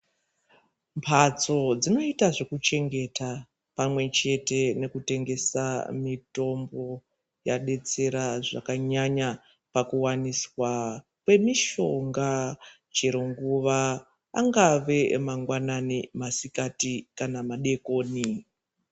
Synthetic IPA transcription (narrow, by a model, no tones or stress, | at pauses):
mpʰat͡so̞d͡zino̞itaʐe̞kut͡ʃe̞ŋɡe̞ta | pamwe̞t͡ʃe̞te̞ne̞kute̞ŋɡe̞sa̰mito̞mbo̞ | jaɗe̞t͡se̞ɾaʐa̰kaɲaɲa | pakuwaniswa | kwe̞miʃo̞ŋɡa | t͡ʃeɾoŋɡuʋaː | ŋɡaʋe̞maŋɡwananimasikatikanamaɗe̞koːni